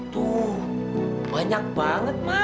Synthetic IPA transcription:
t̪u | baɲak̚baŋət̪̚ma

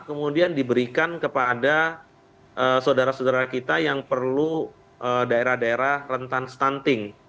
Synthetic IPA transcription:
kəmudiandibəɾikankəpada | ʔəsaodaɾasaodaɾakit̪ajaŋpərlu | ʔədaeɾahdaeɾahrənt̪anst̪ant̪ɪŋ

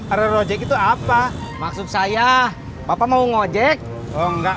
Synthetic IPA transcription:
ɾəɾɔd͡ʒɛkit̪uapamaksut̪̚saja | bapamauŋod͡ʒɛk̚ | ɔŋɡa

